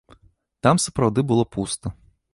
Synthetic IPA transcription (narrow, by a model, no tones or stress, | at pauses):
t̪ɑmsɐ̥pɾɐwd̪ɪbʊlˠɔpust̪ɔ